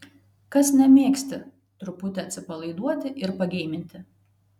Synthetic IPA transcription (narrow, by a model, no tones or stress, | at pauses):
kɐsnʲɛmʲiɛksʲt̪ʲɪ | t̪ɾʊpʊt̪ʲɛɐt̪sʲɪpɐlˠɐɪd̪uɔt̪ʲɪʔɪɾpɐɡʲɛːmʲɪnʲt̪ʲɪ